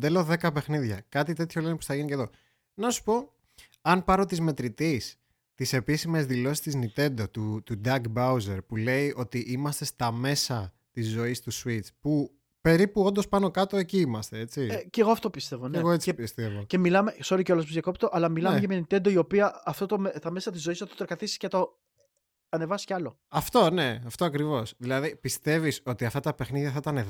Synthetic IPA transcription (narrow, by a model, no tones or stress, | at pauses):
d̪elo̞ðe̞kɐpe̞xniðʝɐkɐt̪it̪e̞t̪ço̞lenepusθɐʝinice̞ðo̞ | nɐsu̥po̞ | ɐnpɐɾo̞t̪izme̞t̪ɾit̪is | t̪ise̞pisime̞zðilo̞si̥st̪iznit̪e̞nd̪o̞t̪ut̪ud̪ɐkbɐuze̞ɾpule̞iʔo̞t̪iʔimɐst̪e̞st̪ɐme̞sɐ | t̪izːo̞ist̪usuit͡spu | pe̞ɾipuo̞nd̪o̞spɐno̞kɐt̪o̞e̞ciimɐst̪e̞e̞t͡siceɣo̞ɐft̪opist̪e̞voneɣoet͡sipist̪evoce̞milɐmekso̞ɾiceo̞lɐs̬pozjɐko̞pt̪oʔɐlɐmilɐmʝɐmeɐnit̪ed̪oio̞piɐɐft̪o̞t̪omest̪ɐme̞sɐt̪izːoist̪ot̪eɾkɐt̪isi̥scet̪o̞ | ɐne̞vɐsi̥ceɐlo | ɐft̪o̞ne̞ɐft̪oɐkɾivo̞sðilɐðipist̪e̞viso̞t̪iɐft̪ɐt̪ɐpe̞xniðʝɐθɐit̪ɐne